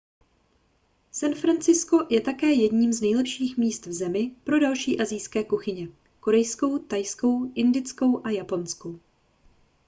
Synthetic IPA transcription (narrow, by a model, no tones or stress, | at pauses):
sanfɾant͡sɪsko̞jɛt̪akɛːjɛdɲiːmznɛjlɛpʃiːxmiːst̪vzɛmɪpɾo̞dalʃiːʔazɪjskɛːkuxɪɲɛ | ko̞ɾɛjsko̞wt̪ajsko̞wʔɪndɪt͡sko̞wʔajapo̞nskow